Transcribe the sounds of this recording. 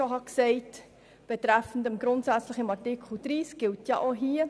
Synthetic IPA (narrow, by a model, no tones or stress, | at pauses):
oɦɑksɛɪt | b̥ətræfən̩təmɡɾontsæt͡sləχɪmɑrtikludriːsɡ̥ɪltjɑʔɔɦiə